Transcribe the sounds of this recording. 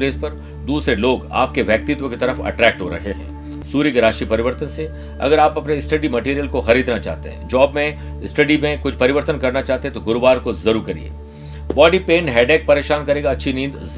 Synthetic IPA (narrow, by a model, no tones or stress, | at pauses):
leːspɐɾ | d̪uːsɾeloːɡa̰ːp̚keʋjɐk̚t̪ɪt̪wõkit̪ɐɾəfɐ̰ʈɾɛːk̚ʈɦoɾɐ̰kʰeɦɛ̰̃ː | suːɾjikeɾaːʃipɐɾɪʋəɾt̪ənse | ɐ̰ɡəɾaːpɐpneɪsʈɐɖimɐʈiːɾijəlkoxɐɾiːd̪nat͡ʃa̰ːɦt̪ḛɦɛ̰̃ːd͡ʒɔːbmẽ | ɪsʈɐɖimẽkʊt͡ʃʰpɐɾɪʋəɾt̪ənkɐɾnat͡ʃaːɦt̪eɦɛ̃t̪oɡʊɾbaːɾkozɐɾuːɾkɐɾḭḛː | bɔːɖipeːnɦɛːɖeːk̚pɐɾeːʃaːnkɐɾẽːɡaɐtːʃʰinĩːd̪z